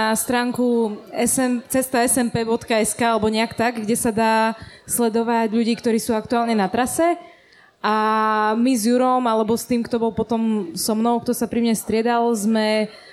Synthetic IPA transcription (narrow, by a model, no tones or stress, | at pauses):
ast̪ɾaːŋkuɛsɛmt͡sɛst̪aɛsɛmpɛːbɔt̪kaɛskaːalɛbɔɲɛakt̪aɡɡɟɛsad̪aːslɛd̪ɔʋaɟʎuɟiːkt̪ɔɾiːsuːak̚t̪uaːlɲɛnat̪ɾasɛ | ʔamizjuɾɔmalɛbɔst̪iːmkt̪ɔbɔlˠpɔt̪ɔmsɔmnɔʊk̚t̪ɔsapɾimɲɛst̪ɾɪɛd̪alzmɛ